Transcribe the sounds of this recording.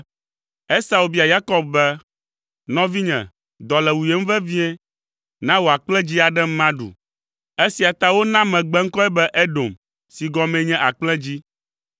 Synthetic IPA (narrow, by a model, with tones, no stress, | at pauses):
e˦sa˨o˨bi˦a˨ja˦kɔ˦b̚bɛ˦ | nɔ̃˦vi˦ɲɛ̰̃˨ | d̪ɔ˨lɛ˨wu˨je˦m̩˦vɛ˦vĩ˦ɛ˦ | nã˦wo˨a˨k͡plɛ̃˦d͡ʑi˦a˨ɖɛ˦mã˦ɖṵ˨ | e˦si˨a˨t̪a˦wo˦nã˦mɛ̃˨ɡ͡bɛ˦ŋ̩˦kɔ˦ɛ˦bɛ˦ʔe˦ɖo˨m | si˨ɡɔ˦mɛ̃˦ɲɛ̃˦ʔa˨k͡plɛ̃˦d͡ʑi˦